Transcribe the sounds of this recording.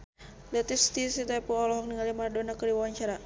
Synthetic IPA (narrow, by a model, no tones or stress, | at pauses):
lɛt̪ist̪isit̪apuɔlɔɦɔŋniŋalimardonakəɾiwawaɲt͡ʃaɾa